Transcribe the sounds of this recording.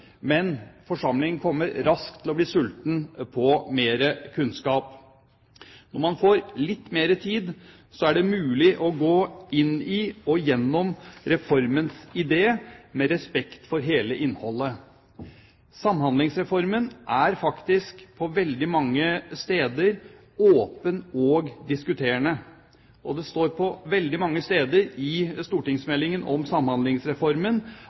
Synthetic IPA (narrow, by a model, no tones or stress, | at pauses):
mɛnfɔʂɑmlɪŋənkʰɔmːəɾɾɑskt̪ʰɪlɔbliːsʉlt̪n̩pʰɔmeːɾəkʰʉnskɑːp | nɔɾmɑnfoːɾlɪt̪ːmeːɾət̪ʰiːd̪ | sɔæɖɛmʉːlɪʔɔɡoːɪnɪɔjɛnːɔmɾɛfɔɾmənsɪd̪eːmɛɾɛspɛkt̪fɔɾɦeːləʔɪnhɔlːə | sɑmhɑnɪŋsɾɛfɔɾmənʔæɾfɑkt̪ɪskpʰɔʋɛld̪ɪmɑŋːəst̪eːd̪əɾ | oːpənɔɡd̪ɪskʉt̪ʰeːəɳə | ʔɔd̪ɛst̪oːɾpʰɔʋɛld̪ɪmɑŋːəst̪eːd̪əɾɪst̪uːʈɪŋsmɛlːɪŋənʔɔmsɑmhɑnlɪŋsɾɛfɔɾmən